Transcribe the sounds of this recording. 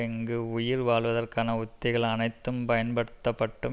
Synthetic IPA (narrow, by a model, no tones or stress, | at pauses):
ɛŋɡɯʊjɪɾʋaːɭʋɐðɐrkaːnɐʊt̪ːɪɣɐɭɐnɐɪt̪ːɯmpɐjɐnpɐɽɯt̪ːɐpːɐʈːɯ